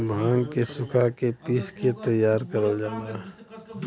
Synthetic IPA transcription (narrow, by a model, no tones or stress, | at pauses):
bʱãːŋɡkesʊkʰakepiːsket̪ɐjːaːɾkɐɾəld͡ʒaːnaɦɛ